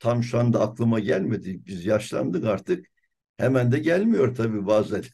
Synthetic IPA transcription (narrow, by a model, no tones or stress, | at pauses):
t̪ʰamʃand̪aːklˠɯmaɟælʲme̞d̪ibizjaʃlˠa̰nd̪ɯkaɾt̪ʰɯk̚ | hɛmænd̪ɛɟælʲmijo̞ɾt̪ʰabiːbaːzæ